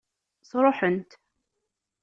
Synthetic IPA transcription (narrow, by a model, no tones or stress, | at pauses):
sˤɾˤuħənt̪